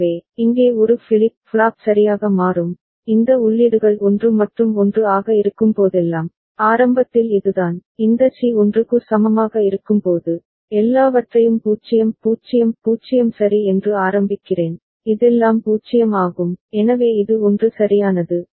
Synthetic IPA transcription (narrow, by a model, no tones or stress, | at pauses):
eːɪŋɡeːɔɾɯfɪlɪp̚fɭaːp̚sɐɾɪjaːɣɐmaːɾɯm | ɪnd̪ɐʊɭːɪɽɯɣɐɭɔndrɯmɐʈrɯmɔndrɯaːɣɐɪɾɯkːɯmpoːðɛlːaːm | aːɾɐmbɐt̪ːɪlɪðɯðaːnɪnd̪ɐsiɔndrɯkːɯsɐmɐmaːɣɐɪɾɯkːɯmpoːðɯ | ɛlːaːʋɐʈrɐjɯmpuːt͡ʃːɪjɐmpuːt͡ʃːɪjɐmpuːt͡ʃɪjɐmsɐɾiɛndrɯaːɾɐmbɪkːɪreːn | ɪðɛlːaːmpuːt͡ʃɪjɐmaːɣɯmɛnɐʋeːɪðɯɔndrɯsɐɾɪjaːnɐðɯ